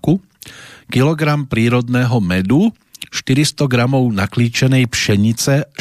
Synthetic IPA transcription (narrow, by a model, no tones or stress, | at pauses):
ku | kilɔɡɾampɾiːɾɔd̪nɛːɦɔmɛd̪u | ʃt̪iɾist̪ɔɡɾamɔʊnakliːt͡ʃɛnɛjpʃɛɲit͡sɛ